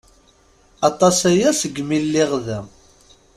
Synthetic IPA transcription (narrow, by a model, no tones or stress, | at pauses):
ɑt̪ˤɑsæjæsəɡmilːiʁðæ